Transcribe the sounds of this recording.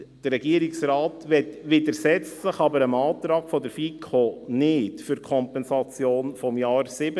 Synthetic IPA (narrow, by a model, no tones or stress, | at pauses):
d̥əɾːɛɡ̥iəɾɪksɾɑːtʋɛt̪ʋɪd̪əɾsɛt͡səχɑbəɾəmɑːt̪ɾɑːɡ̥fɔd̪əɾfikʰonɪtfʏɾkʰɔmpɛnsɑt͡sjoːnfɔmjɑːɾsɪbə